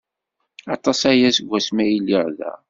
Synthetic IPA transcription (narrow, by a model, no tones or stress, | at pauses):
ɑt̪ˤɑsæjæsəɡʷːæsmæjiliʁðæ̰